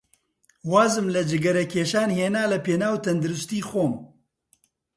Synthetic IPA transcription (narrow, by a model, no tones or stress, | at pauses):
waːzɨmlɨd͡ʒɪɡɐɾɛkʰeːʃaːnheːnaːlɐpeːnaːwt̪ʰɐnd̪ɨɾʊst̪iːxoːm